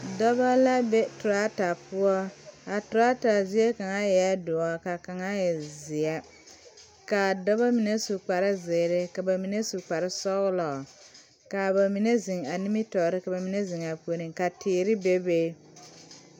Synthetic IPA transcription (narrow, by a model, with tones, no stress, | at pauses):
dɔ˦ba˦la˦be˦tʊ˨ɾa˦ta˨pʊ˦ɔ˦a˨tʊ˨ɾa˦ta˨zɪ˦e˦ka˨ŋa˦jɛ˨a˦dʊ˨a˨ka˨ka˨ŋa˦jɛ˨zɪ˨a˦ | ka˨dɔ˦βa˦mi˨ne˦su˨k͡pa˨ɾɪ˦zɪ˨ɾɪ˦ka˨ba˨mi˨ne˦su˨k͡pa˨ɾɪ˦sɔ˦ɣlɔ˨ | ka˨ba˨mi˨ne˦zi˨ŋa˨ni˦mi˦tɔ˨ɾɪ˦ka˨ba˨mi˨˦ne˦zi˨ŋa˨pu˨˦o˦ni˨ŋka˨tʰɪː˨ɾɪ˦be˦be˦